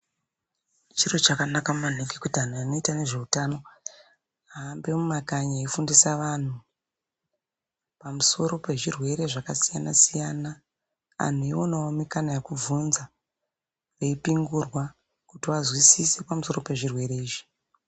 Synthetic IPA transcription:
t͡ʃiro̞t͡ʃakanakamuan̤ekekutian̤uano̞itane̞ʐe̞utano̞ | aːmbe̞mumakaɲaifundisaʋan̤u | pamuso̞ɾo̞pe̞ʐirwe̞ɾe̞ʐakasijanasijana | a̰n̤uionaomikanajekub͡vunza | ʋeipiŋɡurwa | kutiʋazwisise̞pamuso̞ro̞pe̞ʐirwe̞ɾe̞iːʒi̥

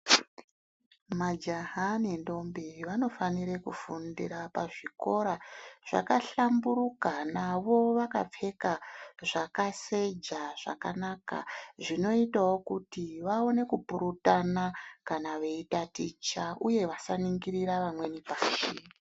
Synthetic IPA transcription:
mad͡ʒaɦanendo̞mbiʋano̞fanirekufundiɾapaʐiko̞ɾaʐ̥a̰kaɬambuɾukanaʋo̞ʋaka̰p͡fe̞kaʐakase̞d͡ʒaʐa̰kanaka̰ʐino̞itawo̞kutiʋao̞ne̞kupuɾutanakanaʋe̞itatit͡ʃaʔuje̞ʋasaniŋɡiɾiɾaʋamwe̞nipaːʃi

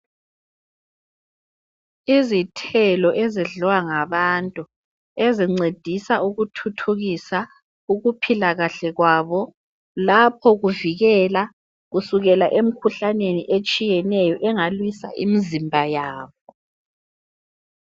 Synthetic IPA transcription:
izitʰɛlɔʔɛziɮuwaŋaβantʼu | eziŋ͡ǀed̥ʱisauɣutʰutʰuɣisa | uɣupʰilaɣaɬɛɣwaβɔ | lapʰɔɣuviɣɛla | ɣusuɣɛlaʔem̩kʰuɬaneniʔet͡ʃʼijɛnɛjɔʔɛŋalwisa̰ʔḭmizimbʱajaːβɔ

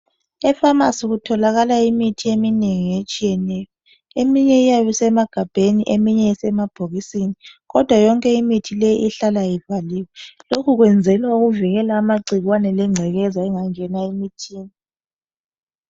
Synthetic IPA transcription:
ɛfamasuɣutʰɔlaɣalaimitʰiemineŋiet͡ʃʼijɛnɛjɔ | emiɲɛijaβisɛmaɡ̥ʱab̥ʱeniʔemiɲɛisɛmab̥ʱoɣisiniɣɔd̥ʱwajɔŋkʼɛimitʰilejiʔiɬalajivaliːwɛlokʰuɣwɛnd͡zʱɛlwauɣuvɛɣɛlaːmaǀʱiɣwanɛlɛŋ͡ǀʱɛɣɛzaɛŋaŋɛnaimitʰiːni

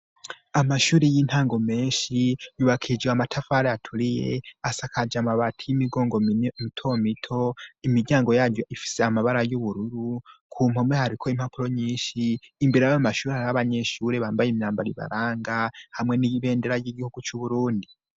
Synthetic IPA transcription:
amaʃuːɾejinthaːŋɡo̞me̞ːnʃijuβakʰid͡ʒweamatʰafaɾeatʰuɾije̞̰asakʰad͡ʒamaβatʰijimiɡo̞ːŋɡo̞mimitʰomitʰo̞imiɾɟaːŋɡo̞jaːɾɟoʔifi̥se̞amaβaɾajuβuɾuɾukʰuːm̥o̞mehaɾikʰo̞im̥hapuɾo̞ɲiːnʃiːmbiɾajaamaʃuːɾehaɾaβaɲe̞ʃuːɾe̞βaːmbajimɲaːmbaɾiβa̰ɾaːŋɡahamŋe̞niiβe̞ːndeɾajiɡihuɡut͡ʃuβuɾuːndi

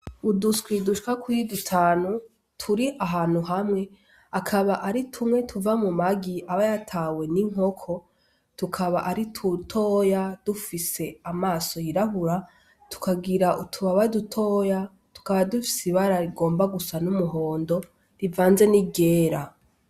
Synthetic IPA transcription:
uduskwiduʃi̥kakʰuidutʰaːnu | tʰuɾiʔaɦaːn̥huɦamŋe̞ | akʰaβaʔaɾitʰumŋe̞tʰuvamumaɡiaβajatʰawe̞niŋ̥o̞kʰo̞ | tukʰaβaʔaɾitʰutʰo̞ːjad̥ufise̞amaːso̞jiɾaɦuɾa | tu̥kaɡiɾaʔutʰuβaβadutʰo̞ːja | tu̥kaβadufi̥siβaɾaɾiɡo̞ːmbaɡusanumuɦo̞ːndo̞ | ɾivaːnze̞niɡe̞ːɾa

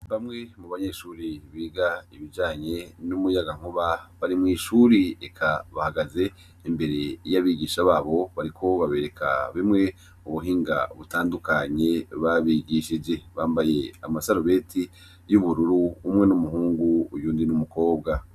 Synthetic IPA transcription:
βamŋe̞muβaɲe̞ʃuːɾiβiːɡaiβid͡ʒaːɲe̞numujaɡaŋ̥oβaβaɾimŋiːʃuːɾiekʰaβahaɡaze̞ | imbe̞ɾe̞jaβiːɡiːʃaβaːβo̞βaɾikʰo̞βaβe̞ːɾe̞kʰa̰βimŋe̞ | uβuɦiːŋɡa̰βutaːndukaɲe̞βaβiɡiʃid͡ʒe̞βaːmbaje̞amasaɾuβe̞ːti | juβuɾuɾuːmŋe̞numuhuːŋɡuujuːndinumuko̞ːbɡa

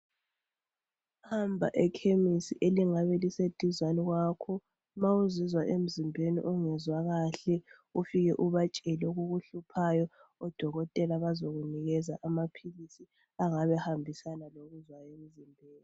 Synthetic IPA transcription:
hambʱa̰ʔɛkʰemisiʔeliŋaβɛlised̥ʱizwaniɣwakʰɔ | mauzizwaʔem̩zimbʱenḭʔuŋɛzwaɣaɬɛ | ufiɣɛʔuβat͡ʃʼɛloɣuɣuɬupʰajɔɔd̥ʱɔɣɔtʼɛlaβazoɣuniɣɛzaʔamapʰilisi | aŋaβɛhambʱisanaloɣuzwaem̩zimbʱeːni

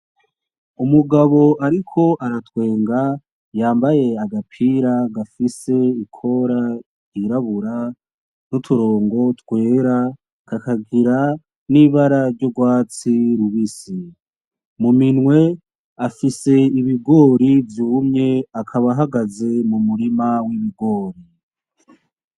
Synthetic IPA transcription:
umuɡaβo̞ʔaɾikʰo̞ʔaɾatwe̞ːŋɡa | jaːmbaje̞aɡapʰiːɾaɡafise̞ikʰo̞ɾa | iɾaβuɾa | nutʰuɾo̞ːŋɡo̞twe̞ːɾa | kakaɡiɾa | niβaɾaɾɟoɡwaːt͡siɾuβisi | muminwe̞ | afise̞iβiɡo̞ːɾivjuːmɲe̞akʰaβaɦaɡaze̞mumuɾimawiβiɡo̞ːɾi

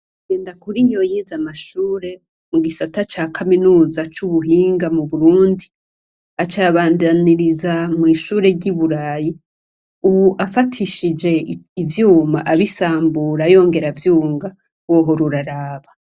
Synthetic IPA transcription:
ɡe̞ːndakuɾiɲojizamaʃuːɾe̞ | muɡisatat͡ʃaːkʰaminuːzat͡ʃuβuɦiːŋɡamuβuɾuːndi | at͡ʃaβaːndaniɾizamŋiːʃuːɾe̞ɟiβuɾaːji | uβuʔafatʰiʃid͡ʒe̞ːvjuːmaʔaβisaːmbuɾajo̞ːŋɡe̞ɾavjuːŋɡa | wo̞ɦo̞ɾuɾaɾaːβa

